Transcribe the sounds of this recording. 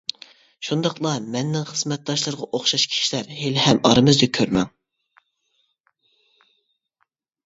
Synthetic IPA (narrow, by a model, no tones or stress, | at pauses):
ʃund̪ɑqlˠɑmɛnːɪŋχəzmɛt̪̚d̪ɑʃlˠɨɾʁɑʔoχʃɑʃkʲʰi̥ʃilæɾhelhɛmɑɾɨmɨzd̪ɪkʲʰøɾmɛŋ